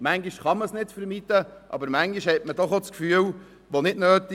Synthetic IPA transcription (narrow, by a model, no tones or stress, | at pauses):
mæŋɡiʃχɑməsnɪtfəɾmitəʔɑ̰bəɾmæŋɡiʃhɛtmədɔχot͡skfyːəl | ʋonɪdnøːti